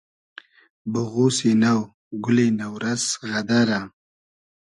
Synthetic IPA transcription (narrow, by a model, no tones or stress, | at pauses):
bʊɣusenaw | ɡʊlenawɾazɣad̪aɾa